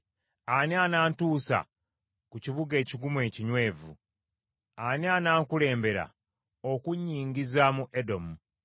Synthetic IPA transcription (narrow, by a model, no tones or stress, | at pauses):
anianaːntuːsa̰ | kuciβuɡe̞ːciɡumwe̞ːciɲwe̞ːvṵ | anianaːŋkule̞ːmbe̞ɾa̰ | okuɲːiːŋɡizamuʔedo̞mu